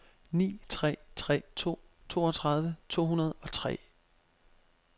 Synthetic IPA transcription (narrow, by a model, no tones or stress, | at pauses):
nḭːt͡sʰʁɛ̰ːt͡sʰʁɛ̰ːt͡sʰo̝̰ː | t͡sʰo̝̰ːɒt͡sʰʁɑ̈ð̞ˠʋət͡sʰo̝̰ːɦunɐð̞̩ˠɒ̽t͡sʰʁɛ̰ː